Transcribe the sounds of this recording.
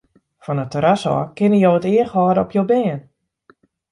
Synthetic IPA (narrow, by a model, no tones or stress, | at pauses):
fɔnətəɾasɔ̰kɪnəjowətɪəxɦɔːdəɔpʰjowbɛːn